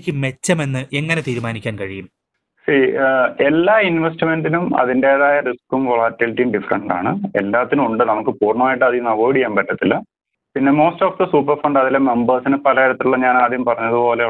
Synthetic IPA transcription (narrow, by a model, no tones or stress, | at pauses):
kʲːɨme̞t͡ɕːɐme̞nːɨʔe̞ŋːɐne̞t̪iːɾumaːnikʲːaːnkɐɻijum | sielːaːinʋesʈime̞nɖinumɐ̰ðinde̞ːðajɐriskumʋoɭaːtːɐlʈːijumɖifrɐɳɖa̰ːɳɨelːaːt̪ːinumuɳɖɨnɐmukːɨpuːrɳɐmaːjiʈːɨɐðijunɐʋoːɽikʲːaːmpɐʈːɐt̪ːilɐ | pinːe̞mo̞ːsto̞ːfd̪ɐsuːp̬ːɐrfɐɳɖɐðileme̞mbɐrsinɨpɐlɐiɾɐt̪ːuɭːɐɲaːnaːd̪jumpɐrɐɲːɐðupo̞ːle